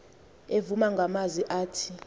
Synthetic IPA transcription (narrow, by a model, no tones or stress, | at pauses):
evumaŋɡʱamaziʔaːtʰi̥